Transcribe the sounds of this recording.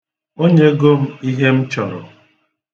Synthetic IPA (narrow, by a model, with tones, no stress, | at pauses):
o˦ɲe˦ɡo˦m̩˦i˦ɦe˦m̩˦t͡ʃɔ˨ɾʊ̰˨